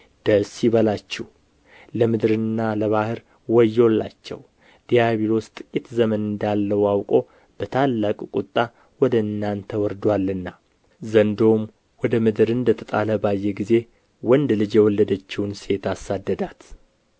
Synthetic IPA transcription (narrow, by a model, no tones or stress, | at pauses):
d̪̥əsiβəlat͡ʃːɛh | ləmɨd̪ɾɨnːaləβahɨɾ | wɔjːolːa̰t͡ʃːɛ̰w | d̪̥ijaβiɾost̪ʼɨkʲʼit̪zəmənɨnd̪alːəwawkʼo̞ | b̥ət̪ʰalːakʼkʼut̪ʼːa | wɔd̪əɨnːant̪ʰəwɔɾd̪walːɨnːa | zənd̪o̞m | wɔd̪əmɨd̪ɨɾɨnd̪ət̪ʰət̪ʼaləbajːɛɡize̞ | wɔnd̪lɨd͡ʒjɛwɔlːəd̪ət͡ʃːɪwunse̞t̪asad̪ːəd̪at̪